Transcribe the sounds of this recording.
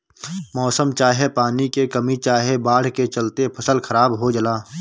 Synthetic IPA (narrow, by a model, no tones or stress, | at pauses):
mɔːsəmt͡ʃaːɦepaːnikekəmit͡ʃaːɦebaːɽ̤ket͡ʃəlt̪epʰəsəlxɐɾaːbɦod͡ʒəlaː